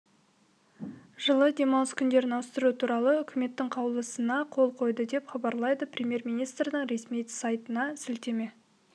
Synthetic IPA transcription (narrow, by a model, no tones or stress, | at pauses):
ʒəlˠəd̪e̞mɑwəskʲʰʏnd̪e̞ɾɪnɑwəst̪əɾut̪ʰuɾɑlˠəʏkʲʰɪme̞t̪ːɪŋqʰɑwlˠəsənɑqʰo̞lˠqʰo̞jd̪əd̪e̞pχɑbɑɾlˠɑjd̪əprʲemʲje̞ɾmʲijnijst̪rd̪əɴɾe̞smijsɑjt̪ənɑsʏlt̪e̞me̞